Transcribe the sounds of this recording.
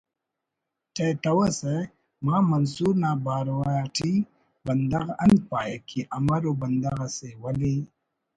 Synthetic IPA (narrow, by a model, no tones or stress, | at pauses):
tet̪ɐwase | mamɐnsuɾnabaːɾowajaʈʰi | bɐnd̪ɐɣʔɐnpaːjekʰiʔɐmɐɾobɐnd̪ɐɣasewɐli